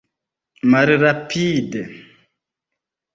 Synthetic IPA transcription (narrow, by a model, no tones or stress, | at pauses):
maɾiɾapiːdə